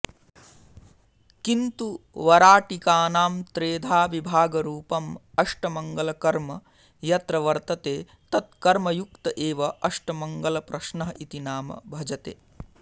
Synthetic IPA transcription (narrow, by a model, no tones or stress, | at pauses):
kint̪uʋɐɾaːʈikaːnaːmt̪ɾeːd̪ʱaːʋibʱaːɡɐɾuːpɐmɐʂʈɐmɐŋɡɐlɐkɐɾmɐ | jɐt̪ɾɐʋɐɾt̪ɐt̪eː | t̪ɐt̪̚kɐɾmɐjuk̚t̪ɐʔeːʋɐʔɐʂʈɐmɐŋɡɐlɐpɾɐʃnɐɦɐit̪inaːmɐ̰bʱɐd͡ʒɐt̪ḛː